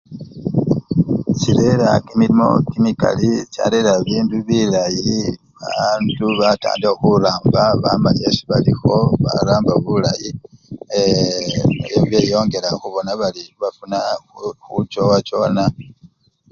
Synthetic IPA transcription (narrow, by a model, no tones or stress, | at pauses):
t͡ʃiɾe̞ɾakimilimo̰kinika̰lit͡ʃa̰le̞ɾaβiːnduβilaji | βaːnduβata̰ːndexuɾaːmbaβa̰maɲesiβalixo̞βa̰ɾaːmbaβulaji | eβejo̞ːŋɡe̞ɾaxuβo̞naβaliβafunaxut͡ʃo̞wat͡ʃo̞ːna